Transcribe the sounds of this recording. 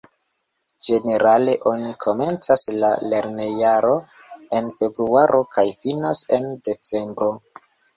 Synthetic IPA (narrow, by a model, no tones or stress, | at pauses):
d͡ʒe̞ne̞ɾale̞ʔo̞nikʰo̞me̞nt͡saslale̞ɾne̞jaɾo̞ | e̞nfe̞bɾuaɾʔo̞kajfinase̞nde̞t͡se̞mbɾo̞